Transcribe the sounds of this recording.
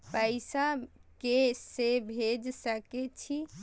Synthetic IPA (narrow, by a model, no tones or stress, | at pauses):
pəɪsakesːebʱed͡ʒsəket͡ʃʰi